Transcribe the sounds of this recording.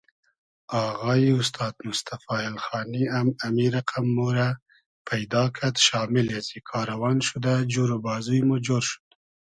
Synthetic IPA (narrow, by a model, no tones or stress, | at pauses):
ɑɣɑːiʊst̪ʰɑːd̪mʊst̪afɑːɪlxɑːniamamiɾaqʰamːoɾa | pʰajd̪ɑːkʰat̪ʃɑːmɪlezikʰɑːɾawɑnʃud̪ad͡ʒuɾobɑːzujmud͡ʒoɾʃu̥d̪